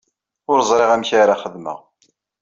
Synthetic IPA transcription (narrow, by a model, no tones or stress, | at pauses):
ʊɾzˤɾeʁæmçaɾaχəðmə̰ʁ